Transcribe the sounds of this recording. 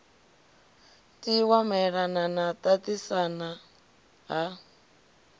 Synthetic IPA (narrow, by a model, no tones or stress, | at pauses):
tiwamɛɺananat̪atisana | ɦa